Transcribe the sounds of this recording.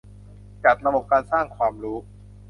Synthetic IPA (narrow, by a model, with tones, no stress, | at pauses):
t͡ɕa˨˩t̪̚ɾa˧bo˨˩p̚kaː˧nsaː˥˩ŋkʰwaː˧mɾuː˦˥